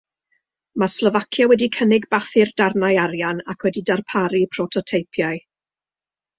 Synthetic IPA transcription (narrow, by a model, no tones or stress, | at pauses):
maslˠɔvakʰjawɛdikʰənɪɡbaθɪrdarnajaɾjanakʰwɛdidarpʰaɾipʰrɔtʰɔtʰejpʰjaɨ